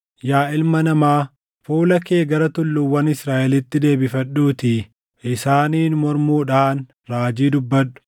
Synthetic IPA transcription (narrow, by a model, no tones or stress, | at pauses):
jaːʔɪlmɐnɐmaː | fuːlɐke̞ːɡɐɾɐt̪ʊlːʊwːɐnɪsɾaːʔɛlɪt̪ːɪd̪e̞ːbɪfɐɗːuːt̪ɪ | ɪsaːniːnmɔɾmuːᶑaːn | ɾaːd͡ʒiːd̪ʊbːɐᶑʊ̥